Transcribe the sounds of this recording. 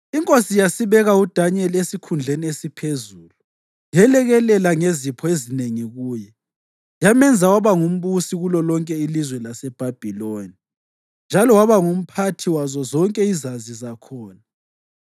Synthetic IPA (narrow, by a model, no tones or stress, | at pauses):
iŋkʼosijasiβɛɣaud̥ʱaɲɛlesikʰund͡ɮʱeniesipʰezuːlu | jɛlɛɣɛlɛlaŋezipʰɔezineŋiɣuːjɛ | jamɛnd͡zʱawaβaŋum̩βusiɣulɔlɔŋkʼɛilizwɛlasɛb̥ʱab̥ʱiloni | nd͡ʒʱalɔwaβaŋum̩pʰatʰiwazɔzɔŋkʼɛizazizakʰɔːna